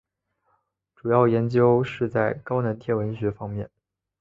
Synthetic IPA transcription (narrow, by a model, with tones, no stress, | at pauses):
ʈ͡ʂu˨˩jɑ˥˩ʊjɛ˧˥nt͡ɕjo˧˥ʊʂɻ̩˥˧t͡sa˥˩ɪkɑ˥ʊnə˧˥nt̪ʰjɛ˥˩wə˧˥nɕɥɛ˧˥fɑ˥ŋmjɛ˥˩n